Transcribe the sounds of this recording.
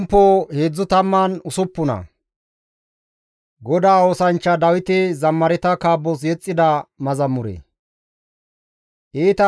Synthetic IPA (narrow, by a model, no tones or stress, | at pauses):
mpːoːhe̞ːd͡zːʊt̪ɐmːɐnʊsʊpːʊnɐ̰ | ɡɔd̪aːoːsɐnt͡ʃːɐd̪ɐwɪt̪ɛzɐmːɐɾɛt̪ɐkaːbːɔs̬jɛt͡sʼːɪd̪ɐmɐzɐmʊɾɛ̰ | ʔeːt̪ɐ